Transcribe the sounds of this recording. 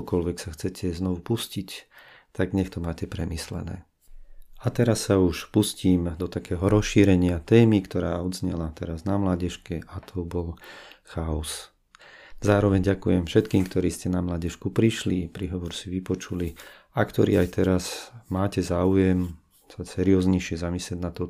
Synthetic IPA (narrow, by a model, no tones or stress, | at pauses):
kɔlʋɛksaxt͡sɛcʰɛznɔʋupuscic | t̪aɡɲɛxt̪ɔmaːcɛpɾɛmislɛ̰nɛ̰ː | at̪ɛɾasːauʃpusciːmd̪ɔt̪akɛːɦɔɾɔsʃiːɾɛɲɪat̪ɛːmikt̪ɔɾaːɔd̪zɲɛlat̪ɛɾaznamlaɟɛʃkɛʔat̪ʰɔbɔlxaɔs | zaːɾɔʋɛɲɟakujɛmfʃɛt̪kiːmkt̪ɔɾiːscɛnamlaɟɛʃkupɾiʃlipɾiɦɔʋɔɾsiʋipɔt͡ʃuli | akt̪ɔɾḭːajt̪ɛɾazmaːcɛzaːujɛm | sasɛɾiɔːzɲɛʃɪɛzamislɛɟnat̪ɔ